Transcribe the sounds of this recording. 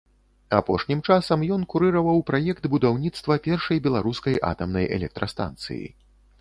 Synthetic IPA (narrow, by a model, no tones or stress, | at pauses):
apɔʂnʲimt͡ʂasɐmjɔnkuɾɨɾɐvɐwpɾajɛkt̪bud̪awnʲit̪st̪vɐpʲɛrʂɐjbʲɛlˠaɾuskɐjʔa̰t̪ɐmnɐjʔɛ̰lʲɛk̚t̪ɾɐst̪a̰nt̪sɨ̰jḭ